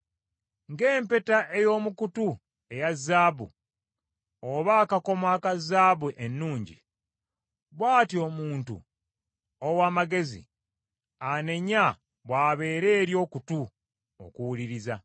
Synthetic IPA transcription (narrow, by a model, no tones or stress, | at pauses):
ŋɡe̞ːmpe̞taʔejo̞ːmukutu | e̞jazːaːbṵ | oβaːkako̞mwaːkazːaːβuʔenːuːɲɟḭ | βwaːtio̞ːmuːntṵ | owaːmaɡe̞zḭ | ane̞ɲa | βwaːβe̞ːɾe̞ːɾjo̞ːkutu | o̰kuwuliɾiza